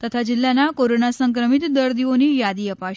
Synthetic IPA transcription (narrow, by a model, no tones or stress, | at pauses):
t̪ət̪ʰad͡ʑilːanakoɾonasəŋkɾəmit̪d̪əɾd̪iʋoniːjad̪iːəpa